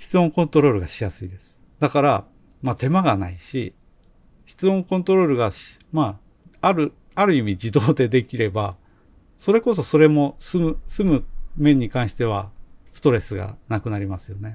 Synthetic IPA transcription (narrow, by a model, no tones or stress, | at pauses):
çi̥t͡sɨmõ̞ŋkõ̞nt̪o̞ɾo̞ːɾɯ̟ɡaɕijasɨid̪e̞sɨ̥ | d̪akaɾa | mat̪e̞maɡanaiɕḭ | çi̥t͡sɨõ̞ŋkõ̞nt̪o̞ɾo̞ːɾɯ̟ɡaɕma | aɾɯ̟ | aɾɯ̟imʲid͡ʑid̪o̞ːd̪e̞d̪e̞kʲiɾe̞ba | so̞ɾe̞ko̞s̬o̞so̞ɾe̞mo̞sɨmɯ̟sɨmɯ̟mẽ̞ɲ̟ːikãɰ̃ɕi̥t̪e̞β̞asɨ̥t̪o̞ɾe̞sɨɡa̰nakɯ̟naɾʲimasɨjo̞ne̞